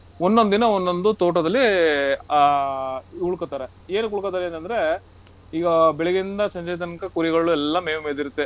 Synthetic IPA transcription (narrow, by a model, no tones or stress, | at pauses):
onːod̪inɐond̪ond̪ut̪oːʈɐd̪ɐlːi | uɭukɐt̪ːaːɾe | eːnukuɭukɐt̪ːaːɾeːnt̪ɐnd̪ɐɾe̞ | iːɡɐbɛɭeɡind̪ɐsɐɲd͡ʒɐjt̪ɐnkɐkuɾiɡɐɭuɛlːɐmeːʋmeːliɾut̪ːe̞